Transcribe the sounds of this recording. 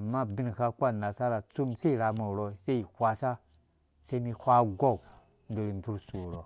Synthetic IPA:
a˨ma˦bi˦n˨ka˧kʷa˦na˨sa˦ɾa˨t͡su˦mse˦i˨ɾa˧mo˨ɾo˧˨se˦i˨hʷa˧sa˦ | se˦mi˧hʷa˧ɡo˦ | ndo˨ɾi˨m˨bu˦ɾsu˨ɾo˨

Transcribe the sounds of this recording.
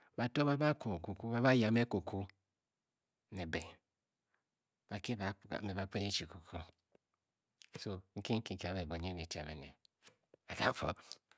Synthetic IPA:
ba˨to˦ba˦ba˦ko˨ku˨ku˦ba˦βa˦ja˨me˦ko˨kʰu˦ | ne˨be˨ | b̥a˨ke˦ba̰˨me˨ba˨˦k͡pe˦ne˦t͡ʃi˨ku˨kʰu˦ | so˨ŋ̩˦ki˦ŋ̩˦ki˨ki˨a˨˦be˨bo˨ɲe˦ne˨t͡ʃa̰˨mḛ˨nḛ˨ | a˨ɡa˦fo̰˦

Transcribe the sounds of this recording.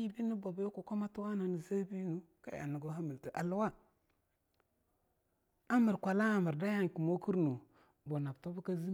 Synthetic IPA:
ji˦bi˦ni˦bo˨bjo˦ku˨ko˦ma˦tu˦wa˦na˨ni˨za˦bi˦nu˦ | ka̰˦ja̰˨ni˨ɡo˦ɦa˦mi˨lti˨ʔa˨lwa˦ | a˦mə˨ɾkʷa˨la˦a˨mə˨ɾda˦ja˦ŋ˨ki˨mo˦ki˦ɾnu˨ | bo˨na˨bto˦bi˦ka˦zi˦

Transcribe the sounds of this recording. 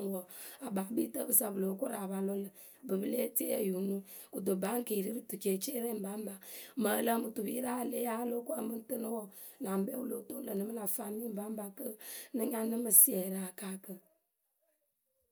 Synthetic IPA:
ŋ˨wɔ˨a˨ba˨˦bi˦tə˦bɨ˦sa˨bɨ˨lo˨˦ko˦ɾa˨ba˨lo˦lə˨ | bɨ˨bɨ˦le˦te˦ḛ˦ju˨nu˦ | ku˨do˨ba˨˦ŋ˦ki˨ɾi˦ɾɨ˦tu˨t͡ʃe˨t͡ʃe˦ɾɛ˦˨m̩˨ba˨˦m˦ba˨mə˨˦la˦mɨ˨tu˨bi˦ɾa˦˨le˦a˦lo˦ko˦a˦mɨ˦tɨ˦nə˦wɔ˦ | la˨m˨bɛ˦wu˦lo˨to˦lə˨nɨ˨˦mə˦la˨fa˦mi˦m˦ba˦m˦ba˨kə˦nɨ˦ɲa˦nɨ˦mɨ˨si˦ɛ˨ɾa˨ka˦kə˨

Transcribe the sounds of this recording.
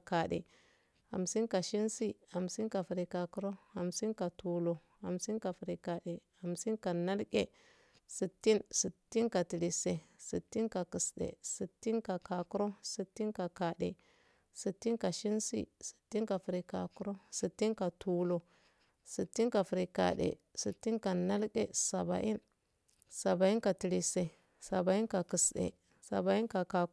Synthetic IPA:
ka˨dḛ˨ | ha̰˨msi˦nka˨ʃi˦nsi˦ha˨msi˦nka˨fɾi˨ka˨ku˦ɾo˦ha˨msi˦nka˨tu˨lo˨ | ha̰˨msi˦nka˨fɾi˨ka˨ɗe˨ha˨msi˦nka˨na˦lke˨ | si˨tːi˦nsi˨tːi˦nka˨ti˨li˨se˨sḭ˨tːi˦nka˨kə˨sɗḛ˨si˨tːi˦nka˨ka˨ku˦ɾo˦si˨tːi˦nka˨ka˨ɗḛ˨ | si˨tːi˦nka˨ʃi˦nsḭ˦si̥˨tːi˦nka˨fi˨ɾi˨ka˨ku˦ɾo˦si˨tːi˦nka˨tu˨lo˨ | si˨tːi˦nka˨fi˨ɾi˨ka̰˨ɗḛ˨ | si˨tːi˦nka˨na˦lke˦˨sa˨ba̰˨ʔi˦n | sa˨ba˨i˦nka˨ti˨li˨se˨ | sa˨ba˨i˦nka˨ki˨sɗḛ˨ | sa̰˨ba˨i˦nka˨ka˨

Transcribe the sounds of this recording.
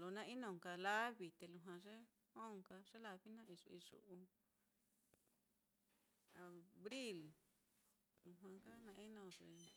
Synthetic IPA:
lo˨˧nã˦i˦nõ˧˨ŋka˧la˦βi˧t̪e˧lu˧˨ɦwã˧ʐe˦ | hõ˦˨ŋka˧ʐ̥e˦la˧βi˦nã˦ʔi˧ʐu˧i˧ʂṵ˧˨ʔu˧ | a˧βɾi˦l | lu˧ɦwã˧ka˦nã˧ʔi˦nõ˧˨ʐe˧˨

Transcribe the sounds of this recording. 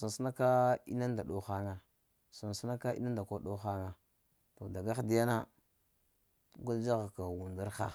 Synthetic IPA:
sa˨n˨si˦na˦ka˦ḭ˦na˦nda˨ɗo˦xa˦ŋa˨ | sa˨n˨su˦na˦ka˦ḭ˦na˦nda˨ko˦ɗo˦xa˦ŋa˨ | to˨da˨ɡa˦xdi˦ja˦na˦ | ɡu˦ld͡ʒa˦ɣa˨ka˨wu˨nda˦ɾxa̰˨

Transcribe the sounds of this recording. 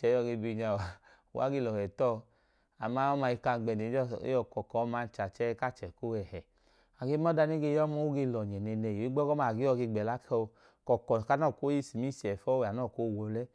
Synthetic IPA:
t͡ʃɛ˨˦ɔ˧˨ɡe˧bi˧ɲa˧˨wa˨ | u˨wa̰˦ɡe˧lɔ˨hɛ˨tɔ˦˧ | a˨ma˦ɔ˦ma˧i˧ka˧ɡ͡bɛ˨ne˨˦ɔ̰˦ɔ˧kɔ˨kɔ˨˦ma˧˦n˨˦t͡ʃa˨t͡ʃɛ˦ka˦˨t͡ʃɛ˨ko˦ɛ˨hɛ˨ | a˨ɡe˧˦m˦ɔ˦da˧ni˦ɡe˧jɔ˦mɔ˦u˦ɡe˧lɔ˨ɲɛ˨nɛ˧nɛ˨jo˨i˦ɡ͡bɔ˦kɔ˦ma˧˨ɡe˨˦ɔ˧ɡe˧ɡ͡bɛ˨la˦kɔ˧ | kɔ˨kɔ˨ka˧˦nɔ˦˨ko˦i˦˨si˨mi˦si˨ɛ˨fɔ˦wa˨nɔ˦˨ko˦˨wo˧lɛ˦

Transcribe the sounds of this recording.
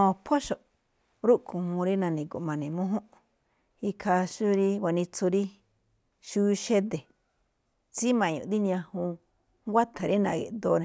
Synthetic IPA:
õ˧pʰo˦ʃo˨ | ɾu˦ʔkũ˨hũ˧ɾi˦nã˧nĩ˨ko̰˨mã˨˧nĩ˨mõ˦ɦõ˦ʔ | i˧kʰa˧ʃu˦ɾi˦wʷa˨nĩ˧t͡so˧ɾi˦ | ʃu˦˧ʃe˦d̪e˨ | t͡si˦mã˨˧˨ɲṵ̃˨d̪i˦nĩ˧ã˧hũ˧ | ŋɡʷa˦t̪ʰa˨ɾi˦nã̰˧˨ɣḛ˨ʔd̪o˧nẽ˧

